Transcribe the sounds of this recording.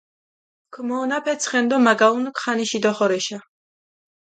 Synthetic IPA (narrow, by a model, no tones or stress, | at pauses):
kʰmɔːnapʰɛt̪sʰχɛnd̪ɔmaɡaunkχaniʃid̪ɔχɔɾɛʃa